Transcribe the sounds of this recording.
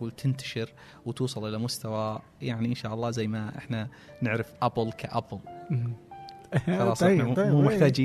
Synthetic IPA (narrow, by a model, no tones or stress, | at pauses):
uːlt̪ʰɪnt̪ḁʃɪɾ | wt̪uːsˤɑlʔɪlamʊst̪awa | jaʕniʔɪnʃaːʔɑlˤːɑːzajːmaʔɪ̰ħna | nɪʕɾɪfʔablkʰaʔabl | xɑlɑːsˤmuːmɪħt̪aːd͡ʒiː